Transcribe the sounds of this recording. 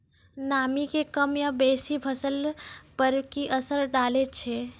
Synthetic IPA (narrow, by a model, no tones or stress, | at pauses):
namikekəmjabesibʱəsəlpəɾkiʔəsəɾɖalet̪̚t͡ʃʰɛ